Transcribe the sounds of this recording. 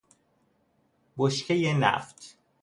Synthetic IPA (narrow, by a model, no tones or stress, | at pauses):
boʃcʰejenæ̰ft̪ʰ